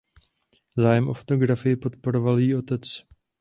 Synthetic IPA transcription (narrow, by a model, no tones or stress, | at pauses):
zaːjɛmʔo̞fot̪o̞ɡɾafɪjɪpo̞t̪po̞ɾovaljiːo̞t̪ɛt͡s